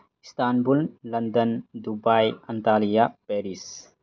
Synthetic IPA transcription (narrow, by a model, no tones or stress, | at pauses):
st̪aːnbullɐnd̪ənd̪ubajɐnt̪aːlijapeɾis